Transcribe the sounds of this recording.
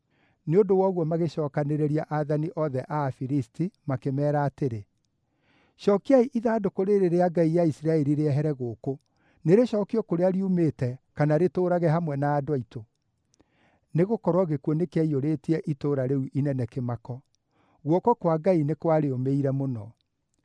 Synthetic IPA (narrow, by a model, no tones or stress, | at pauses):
neondowɔɣwɔmaɣeʃɔːkaneɾeɾiaʔaðaniʔɔðɛʔafiɾistimakemɛːɾaːteɾe | ʃɔkeaiʔiðadokoɾeɾeɾeaɡaijaisiɾaɛɾiɾeɛɦɛɾɛɣoko | neɾeʃɔːkiɔkoɾeaɾiumeːtɛkanaɾetoːɾaɣɛɦamwɛnaːdwaito | neɣokɔɾwɔɣekuɔnekeaioɾetiɛʔitoːɾaɾeuʔinɛnɛkemakɔ | ɣwɔkɔkwaɡainekwaɾeomeiɾɛmonɔ